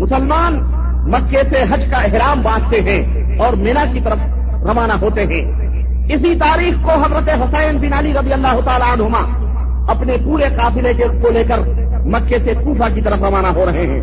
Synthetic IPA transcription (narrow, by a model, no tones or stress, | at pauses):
mʊsəlmaːn | mɐkːeseɦɐd͡ʒkaɪɦɾaːmbãːt͡ʃʰt̪eɦɛ̃ | ɔːɾmeːnakit̪ɐɾəfʰ | ɾɐʋaːnaɦoːt̪eɦɛ̃ː | ɪsit̪aːɾiːxkoɦɐzɾət̪eɦʊsɛːnbɪnaːliɾɐd̪ijəlːaːɦʊt̪aːlaənɦʊma | ɐpnepuːɾeqaːfɪlekekoleːkəɾ | mɐkːesekuːfakit̪ɐɾəfʰɾɐʋaːnaɦoɾɐɦeɦɛ̰̃ː